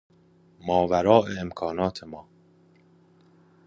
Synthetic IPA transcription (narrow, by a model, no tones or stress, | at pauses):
mɒːvæɾɒːʔeemkʰɒːnɒːt̪ʰemɒː